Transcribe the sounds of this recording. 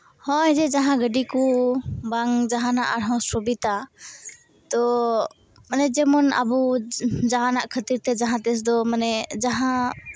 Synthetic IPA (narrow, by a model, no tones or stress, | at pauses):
hɔ̃ɛd͡ʒɛd͡ʒaɦãɡəɖikubaŋd͡ʒaɦanaʔaɾɦɔ̃sɔbit̪a | t̪ɔ | manɛd͡ʒɛmɔna̰bud͡ʒaɦanaʔkʰət̪iɾt̪ɛd͡ʒaɦãt̪ɛs̬d̪ɔmanɛd͡ʒaɦã